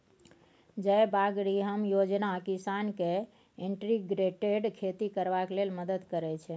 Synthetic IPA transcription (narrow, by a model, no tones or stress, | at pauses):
d͡ʒəjbaɡɽiɦəmjod͡ʒnakisanke | eɳʈɾiɡɾeʈeɖkʰet̪ikəɾʋaklelməd̪əd̪kəɾɛt͡ʃʰɛ